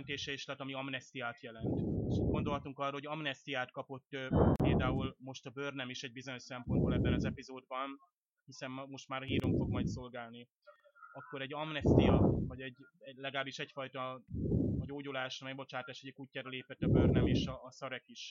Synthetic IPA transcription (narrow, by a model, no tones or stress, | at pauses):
nt̪eːʃɛiːʃlɛt̪ːɒmiɒmnɛst̪ijaːt̪jɛlɛnt̪eʃɡo̞nd̪o̞lɦɒt̪uŋkɒrːoɦo̞ɟɒmnɛst̪ijaːt̪kɒpo̞t̪ːøpeːld̪aːulmo̞ʃt̪ɒbøːrnɛmiʃɛɟ̚bizo̞ɲo̞ʃsɛmpo̞nd̪bolɛbːɛnɒzɛpizoːd̪̚bɒn | hisɛmmo̞ʃt̪maːɾɦiːɾoɱfo̞ɡmɒjt̪so̞lɡaːlni | ɒkːo̞ɾɛɟːɒmnɛst̪ijɒvɒɟɛɟːɛlɛɡaːbiʃɛcfɒjt̪ɒ | ɒɟoːɟulaːʃmɛjbo̞t͡ʃaːt̪aːʃoɟɒkucːaːɾɒleːpɛt̪ːɒbørnɛmeːʃɒːsɒɾɛkiʃ